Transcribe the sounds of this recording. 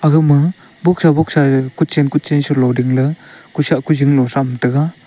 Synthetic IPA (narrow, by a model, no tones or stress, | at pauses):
aɡɯmɯ | bɔk̚sabɔk̚sakut̚t͡ʃenkut̚t͡ʃensɔlɔwdiŋlɯ | kusaʔkuziŋnɔsamtɯɡa